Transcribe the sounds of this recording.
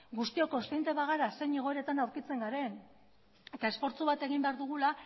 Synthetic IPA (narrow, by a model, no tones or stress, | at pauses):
ɡust̪io̞ko̞sejnt̪e̞βaɣ̞aɾase̞ɲeɣo̞eɾe̞t̪anawɾkit͡se̞ŋɡaɾe̞n | et̪ae̞sfo̞ɾt͡suβat̪e̞ɣ̞imbe̞aɾðuɣ̞ula